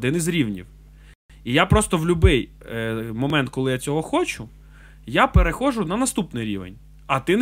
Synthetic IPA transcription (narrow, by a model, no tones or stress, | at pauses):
d̪ɪnizɾʲiwnʲḭw | ijapɾɔst̪ɔwlʲʊbɪj | mɔmɛnt̪̚kɔlˠɪjat͡sʲɔɦɔxɔt͡ʃʊ | japeɾexɔʒʊnɐnɐst̪upnɪjɾʲḭʋḛnʲ | ɐt̪ɪn